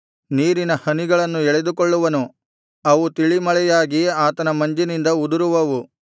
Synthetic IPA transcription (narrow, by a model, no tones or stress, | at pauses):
niːɾinɐhɐniɡɐɭɐnːuɛɭed̪ukoɭːuʋɐnu | ɐʋut̪iɭimɐɭɛjaːɡiaːt̪ɐnɐmɐɲd͡ʒinind̪ɐud̪uɾuʋɐʋu